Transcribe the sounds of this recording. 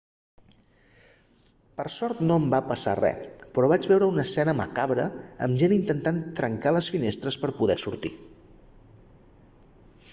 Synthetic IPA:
pəɾsɔɾt̪nombapəsa̰rɛ̰pɾɔβad͡ʒβɛwɾəunəsɛnəmə̰kaβɾəə̰mʒenint̪ənt̪ant̪ɾəŋkaləsfinest̪ɾəspəɾpuðɛsuɾt̪ḭ

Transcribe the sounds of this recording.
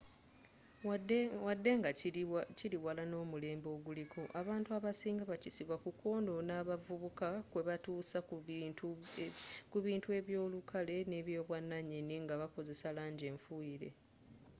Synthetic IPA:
wadːe̞ŋɡaciliwalano̞ːmule̞ːmbo̞ːɡulikʰo̞ʔaβaːntuaβasiːŋɡaβacisiβwakuko̞ːndo̞naːβavuβukakwe̞βatuːsau | kuβiːntue̞βjo̞ːlukʰale̞ne̞ːβjo̞ːβwanːaɲːeniŋɡaβako̞ze̞salaːɲɟe̞ːɱfuiɾe̞̰

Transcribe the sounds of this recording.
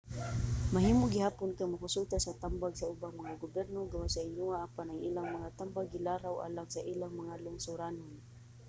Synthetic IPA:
mahiːmoɡɪhaːpʊnkaŋmakʊsut̪asat̪ambaɡsaʊbamaŋaɡʊbɛɾnoɡawasaɪɲuaʔːpanaŋʔḭːlaŋmaŋat̪ambaɡɪlaɾawʔa̰ːlaŋsaʔilaŋmaŋalʊŋsʊɾanʊn

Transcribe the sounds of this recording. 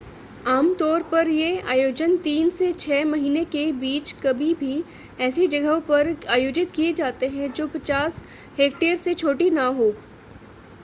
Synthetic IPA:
aːmt̪ɔːɾpɐɾjea̰ːjoːd͡ʒənt̪iːnset͡ʃʰɛːmɐɦiːnekebiːt͡ʃkɐbʱibʱi | ɛːsed͡ʒɐɡəɦõpɐɾaːjoːd͡ʒɪt̪kied͡ʒaːt̪eɦɛ̃d͡ʒoːpɐt͡ʃaːs | ɦeːkʈeːəɾset͡ʃʰoːʈinaɦoː

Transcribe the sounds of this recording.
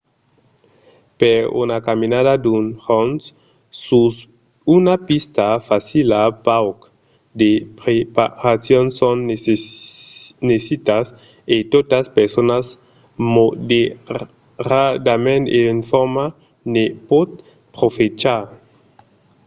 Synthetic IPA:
peɾṵnakaminadadunhons | sus | unapist̪afasilapawk | d̪epɾepaɾasjonson | nesit̪as | et̪ot̪aspeɾsonas | mode | ɾad̪amẽnt̪enfoɾma | nepot̪ | pɾofet͡ʃaɾ

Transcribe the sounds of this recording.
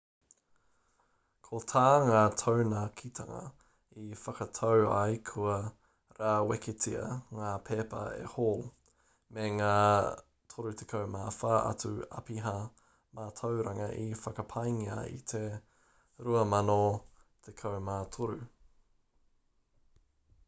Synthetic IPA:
kʰot̪ʰaːŋaːtʰownakʰit̪ʰɐŋɐ̰ | ifɐkɐtʰowɐjkʰuɐ | ɾaːwɛkʰetʰiɐ̰ŋaːpʰeːpɐ̰ḛhoːl | meŋaː | tʰoɾut̪ʰekʰowmaːfaːʔɐ̰tʉɐ̰piɦɐ | maːtʰowɾɐŋɐʔifɐkɐpʰɐjŋiɐ̰ḭt̪ʰe | ɾuɐmɐnot̪ʰekʰowmaːtʰoɾu

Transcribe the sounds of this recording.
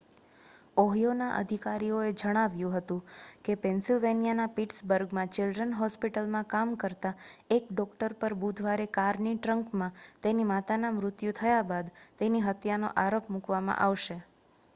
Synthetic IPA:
ɔɦjonaʔə̰d̪ʱikaɾijoed͡ʒəɽ̃aʋjũɦət̪ũkepɛnsilʋenijanapiʈsbəɾɡmãt͡ʃɪlɖɾənɦɔspiʈəlmãkamkəɾt̪aekɖɔkʈəɾpəɾbud̪ʱʋaɾekaɾniʈɾəŋkmãt̪enimat̪anamɾʊt̪jũt̪ʰəjabad̪t̪eniɦət̪jano̰ʔaɾopmukʋamã̰ʔaʋʃe

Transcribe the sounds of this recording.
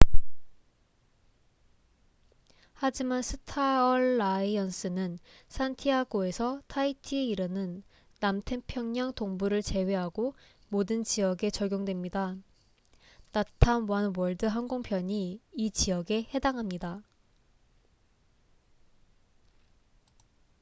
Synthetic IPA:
had͡ʑimansʰɯ̥tʰaʌɭːaiʌns͈ɯnɯnsʰantʰiaɡoe̞sʰʌtʰaitʰiiɾɯnɯnː | amtʰepʰjʌŋɲʌŋtoŋbuɾɯɭt͡ɕe̞we̞ɦaɡo | modɯnt͡ɕiʌɡe̞t͡ɕʌɡʲjoŋdwe̞mɲida | natʰamwʌnwʌɭdɯɦanɡoŋpʰjʌɲiit͡ɕijʌɡe̞he̞daŋɦamɲida

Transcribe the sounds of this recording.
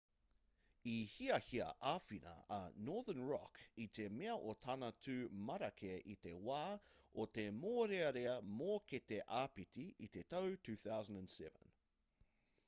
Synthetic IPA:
ihiɐhiɐ̰ʔafinɐ̰ɐnɔːðənɹɔ̰kit̪ʰe̞meɐʔotʰɐnɐtʰʉːmɐɾɐkʰeʔit̪e̞waːot̪e̞moːɾeɐɾeɐmoːket̪eʔaːpitiit̪etowtʰʉːθawzəndə̃nsɛvə̃n

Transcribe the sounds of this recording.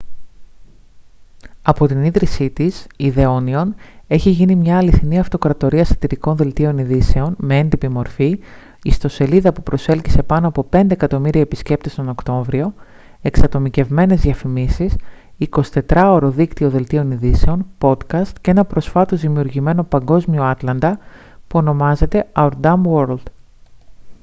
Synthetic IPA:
ɐpo̞t̪iniðɾisit̪isiðe̞o̞nio̞ne̞çiʝinimɲɐːliθiniɐft̪o̞kɾɐt̪o̞ɾiɐst̪ɐt̪iɾiko̞nðe̞lt̪io̞niðise̞o̞nme̞end̪ipimo̞ɾfi | ist̪o̞se̞liðɐpupɾo̞se̞lcise̞pɐno̞ɐpo̞pe̞nd̪eːkɐt̪o̞miɾiɐepisce̞p̚t̪est̪ono̞kt̪o̞ɱvɾio̞ | e̞ksɐt̪o̞mice̞vme̞ne̞zðiɐfimisis | iko̞si̥t̪e̞t̪ɾɐo̞ɾo̞ðikt̪io̞ðe̞lt̪io̞niðise̞o̞npo̞t̪kɐst̪ceenɐpɾo̞sfɐt̪o̞zðimiuɾʝime̞no̞pɐŋɡo̞zmio̞ɐt̪lɐnd̪ɐ | puo̞no̞mɐze̞t̪e̞ɐuɾd̪ɐmwoɾld̪̥

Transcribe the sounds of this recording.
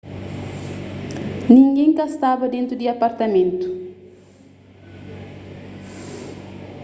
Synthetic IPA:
nĩŋɡẽŋkast̪abɐd̪ẽnt̪ɾud̪iapaɾt̪ɐmẽnt̪u̥

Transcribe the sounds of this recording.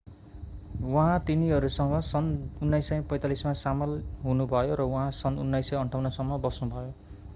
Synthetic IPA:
wʌɦãt̪iniʌɾusʌŋʌsʌnunːajsʌj̃pʌj̃t̪alismasamʌlɦunubʱʌjoɾʌwuɦãsʌnunːajsʌjʌɳʈʰawnʌsʌmːʌbʌsnubʱʌjo

